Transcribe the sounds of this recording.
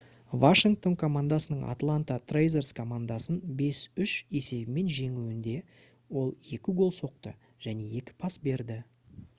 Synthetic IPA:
vaʂiŋk̚t̪o̞nkʰo̞mand̪asənəɴa̰t̪lˠant̪at̪ʰrejzerskʰo̞mand̪asənbe̞sʏʃe̞se̞bɪme̞nʒe̞ŋuwɪnd̪e̞ | wo̞lˠe̞kʲɪɡo̞lˠso̞q̚t̪ə̰ | ʒ̥æne̞e̞kʲɪ̥pʰɑsbe̞ɾd̪ɪ

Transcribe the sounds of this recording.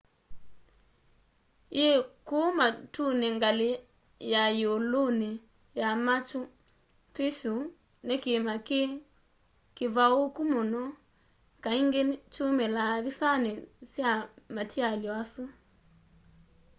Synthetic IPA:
jekomatuneŋɡale | jajolone | jamat͡ʃu | peʃu | nekemake | kevaokumonɔ | kaiŋɡet͡ʃumelaβisanesjamatʰialjɔasu

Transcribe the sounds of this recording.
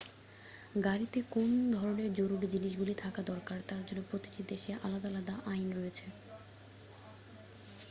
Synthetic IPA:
ɡaɾit̪ekond̪ʱɔɾoneɾd͡ʑoɾuɾid͡ʑiniʃɡulit̪ʰakad̪ɔɾkaɾt̪aɾd͡ʑonːopɾot̪i̥t̪id̪eʃeʔalad̪alad̪aʔajnɾojet͡ɕʰe

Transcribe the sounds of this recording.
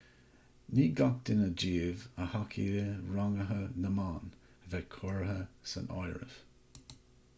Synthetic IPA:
niːɡat̚d̪̥ɪnəd͡ʒiːvəhakʰḭɾəɹaŋəɦənəmaːn | vɛkʰʊɹɦəsə̰nɔ̰jɹə̰v

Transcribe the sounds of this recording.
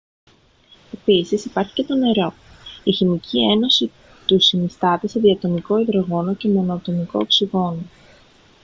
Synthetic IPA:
e̞pisisipɐɾçi̥ce̞t̪o̞ne̞ɾo̞içimicʰʲie̞no̞si | t̪usinist̪ɐt̪ese̞ðiɐt̪o̞niko̞iðɾo̞ɣo̞no̞ce̞mo̞not̪o̞niko̞̰ːksiɣo̞no

